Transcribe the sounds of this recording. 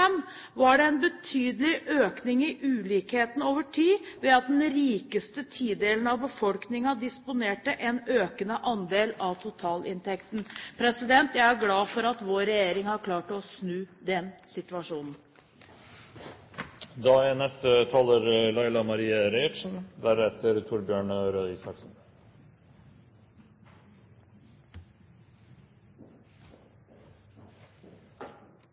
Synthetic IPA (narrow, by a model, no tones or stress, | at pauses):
ɛm | ʋɑɖɛɛnbət̪ʰyːd̪əlɪʔøːknɪŋɪʔʉːliːkheːt̪n̩oːʋəʈʰiːʋɛɑt̪̚d̪ɛnɾiːkəst̪ət̪ʰiːd̪eːlən̩ɑʋbəfɔlknɪŋɑd̪ɪspʊneːʈəʔɛnøːkənəʔɑnd̪eːlɑʋt̪ʰʊt̪ʰɑːlɪnt̪ʰɛkt̪n̩pʰɾɛsɪd̪ɛnt̪jæɪæɾɡlɑːfɔɾɑt̪ʋoːɾɛjeːɾɪŋhɑɾkʰlɑːʈɔsnʉːd̪ɛnsɪt̪ʉɑʂuːnn̩ | d̪ɑːænɛst̪ət̪ʰɑːləɾlɑɪlɑmɑɾiːəɾeɪʃn̩d̪æɾɛt̪əɾt̪ʰʊɾbjøːɳɾøːd̪iːsɑksn̩